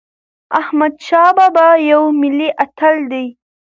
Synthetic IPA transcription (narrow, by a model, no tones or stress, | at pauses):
ahmad̪ʃɑbabajawmɪliʔat̪ald̪aj